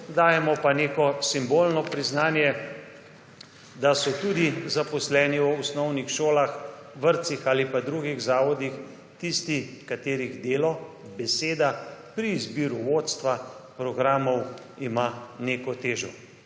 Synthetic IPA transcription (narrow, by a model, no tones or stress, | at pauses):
d̪aːjɛmɔpaneːkɔsimboːlnɔpɾiznaːnjɛ | d̪asɔt̪uːd̪izapɔslɛːniɔsnɔwnixʃoːlaxʋəɾt̪sixaːlipad̪ɾuɡiɣzaːʋɔd̪ix | t̪ist̪ikat̪eːɾiɣd̪eːlɔ | bɛseːd̪apɾiːzbiːɾuʋoːt̪st̪ʋapɾɔɡɾaːmɔw | imaneːkɔt̪eːʒɔ